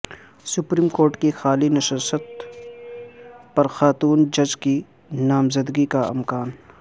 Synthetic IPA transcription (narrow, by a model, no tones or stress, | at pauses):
sʊpɾiːmkoːɾʈkixaːlinɐʃəsət̪̚ | pɐɾxaːt̪uːnd͡ʒɐd͡ʒki | naːmzɐd̪ɡikaɪ̰mkaːn